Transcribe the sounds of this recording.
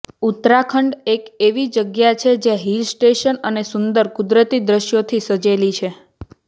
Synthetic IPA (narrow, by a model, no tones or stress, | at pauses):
ut̪ɾakʰəɳɖekeʋid͡ʒəɡjat͡ʃʰed͡ʒeɦilsʈeʃənənesʊnd̪əɾkud̪ɾət̪id̪ɾəʃjot̪ʰisəd͡ʒelit͡ʃʰe